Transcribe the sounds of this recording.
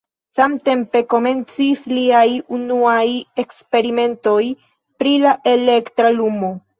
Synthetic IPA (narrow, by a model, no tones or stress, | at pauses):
samte̞mpe̞ko̞me̞nt͡sisliajunuaje̞kspe̞ɾime̞nto̞j | pɾilaʔe̞le̞ktɾalumo̞